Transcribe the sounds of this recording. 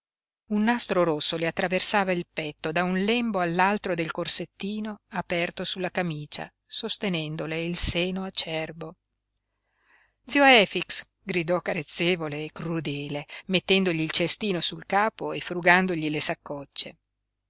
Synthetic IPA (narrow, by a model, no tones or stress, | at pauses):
unːast̪ɾoɾosːoleat̪ːɾaversaːvailpɛt̪ːod̪aunlɛmboalːalt̪ɾod̪elkorset̪ːiːnoapɛrt̪osulːakamiːt͡ʃa̰ | sost̪enɛnd̪oleilseːnoat͡ʃɛrbo | d̪zioaɛfiks | ɡɾid̪ɔkːaɾet̪sːeːvoleːkrud̪ɛːlemet̪ːɛnd̪oʎiːlt͡ʃest̪iːnosulkaːpoefɾuɡand̪oʎilesakːɔt͡ʃːe